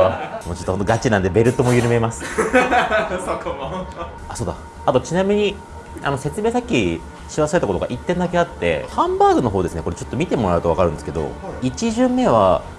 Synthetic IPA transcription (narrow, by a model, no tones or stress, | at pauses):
amo̞ːt͡ɕot̪ːonoɡat͡ɕinãnd̪e̞be̞ɾɯ̟t̪ːo̞mo̞jɯɾɯ̟me̞masɨ̥ | aso̞ːd̪a̰ | at̪o̞t͡ɕinamʲiɲ̟i | a̰no̞se̞t͡sɨme̞ːsakʲːi | ɕiɾasaɾe̞t̪ako̞t̪o̞ɡaʔit̪ːẽ̞nd̪ake̞at̪ːe̞̰hãmbaːɡɯ̟no̞ɦo̞ːd̪e̞sɨneko̞ɾe̞t͡ɕo̞t̪ːomʲit̪e̞mo̞ɾa̟t̪oakaɾɯ̟nd̪esɨ̥ke̞d̪o̞̰it͡ɕiʑɨ̃mːe̞βa̰